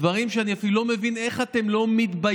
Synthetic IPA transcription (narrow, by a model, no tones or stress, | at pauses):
vaʁimʃeaniafilulo̞me̞vine̞χat̪e̞mlo̞mit̪ba